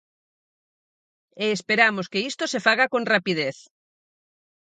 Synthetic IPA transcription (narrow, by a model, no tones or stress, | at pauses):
eːspeɾamoskeist̪osefaɣakõŋrapið̞eθ